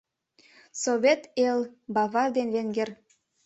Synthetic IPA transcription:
soβʲet̪elbɑvɑrd̪enβeŋɡĕr

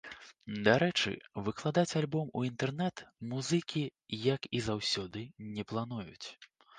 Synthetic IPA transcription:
d̪aɾɛt͡ʂɨ̰vɨklˠad̪at͡sʲalʲbɔmuint̪ɛrnɛt̪muzɨkʲijɐkizawsʲɔd̪ɨnʲɛplˠan̪ujṵt͡sʲ

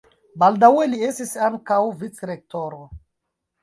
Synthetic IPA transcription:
baldawe̞lie̞stisaŋkawvit͡sɾe̞k̚to̞ɾo

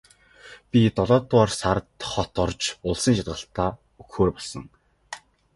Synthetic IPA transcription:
pʲit̪ɔɮɔːt̪ʊɔrsaɾt̪χɔt̪ɔrt͡ɕʊɮsə̆ŋʃat̪ʁə̆ɬt̪aː | ukxoːrpɔɮsɞ̰̆ŋ

